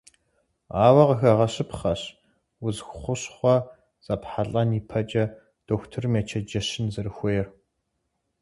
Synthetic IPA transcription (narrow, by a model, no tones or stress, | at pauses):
aːwɐʁəxɐʁɐɕɪpχɐɕ | wʊzxʷʊχʷʊɕχʷɔ | z̥ɐpħaɬʼɐniːpʰɐt͡ʃʼɐ | d̥oːxʷtʰɨrmjaːt͡ʃʰɐd͡ʒɐɕɪnzɐrɨxʷɔjɛr